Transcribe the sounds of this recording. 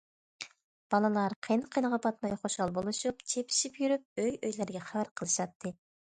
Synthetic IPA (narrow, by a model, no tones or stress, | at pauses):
b̥ɑlˠɨlˠɑɾqʰenqʰənəʁɑbɑt̪mɑjχoʃɑlˠbolˠɨʃup̚t͡ʃʰepʰi̥ʃipjyɾyp̚øjøjlɪɾɡʲɛχævæɾqʰəlˠɨʃɑt̪ʰːɨ